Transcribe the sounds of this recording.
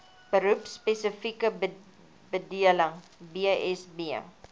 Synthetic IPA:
b̥əɾupspesəfikə | bədiələŋ | biəɛsbiə

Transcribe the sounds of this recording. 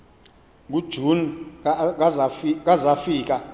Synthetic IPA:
k̬ud̥ʒ̥ʱun | k̬azafiːk̬ʼa

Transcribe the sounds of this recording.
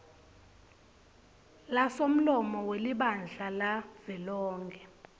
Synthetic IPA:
lasom̩lɔmɔweliɓand͡ɮʱalav̥ɛlɔːŋɡɛ

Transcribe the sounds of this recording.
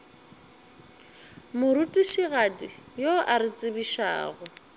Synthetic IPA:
mʊɾutʼiʃiɣadi | joʔaɾɪt͡sʼɪbiʃa̰ːɣʊ

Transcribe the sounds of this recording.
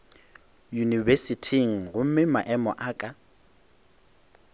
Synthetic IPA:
junivesitʰiŋ̩ɣʊm̩mɪmaʔɛmɔʔaːkʼa

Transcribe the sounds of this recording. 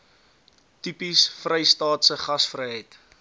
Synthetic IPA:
typisfrəjstɑːtsəχɐsfrəjɦəjt

